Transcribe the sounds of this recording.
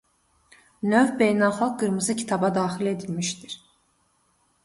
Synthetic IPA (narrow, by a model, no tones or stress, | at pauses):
nøvbe̞jnælxɑlˠk̚ɡɯɾmɯzɯcʰi̥t̪ʰɑbɑd̪ɑːxile̞d̪ilmiʃd̪iɾ̥